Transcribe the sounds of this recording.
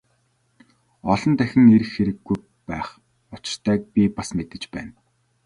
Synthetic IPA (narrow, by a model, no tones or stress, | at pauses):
ɔɮɞ̆nt̪æxʲɪ̆ŋeɾɘ̆xːeɾɘ̆ɡːuj | pæːχ | ʊt͡ɕ̆rt̪ʰæːk̚pʲipasmet̪ɘ̆t͡ɕpæ̰ːn